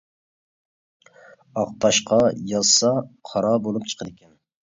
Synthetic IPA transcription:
ɑq̚t̪ʰɑʃqʰɑjɑzsɑqʰɑɾɑbolˠup̚t͡ʃʰə̥qʰəd̪ɪkʲʰɛn

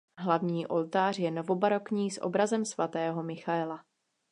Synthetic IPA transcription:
ɦlavɲiːʔo̞lt̪aːr̝jɛnovobaɾokɲiːsʔo̰bɾazɛmsvat̪ɛːɦo̞mɪxaɛla

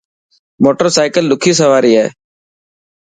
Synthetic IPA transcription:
moːʈəɾsaːɪkəlɗ̪ʊkʰiːsəʋaːɾiːɦɛ̰ː

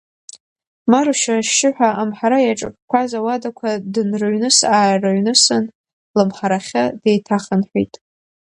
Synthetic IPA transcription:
maɾuʃaʃɪħʷᶣaʔamħaɾajaʈ͡ʂʼɨpʼkʷʰazawadakʷʰadɨnrɨɥnɨsaːjraɥnɨsan | lɨmħaɾaχʲadejtʰaχənħʷᶣḭtʼ

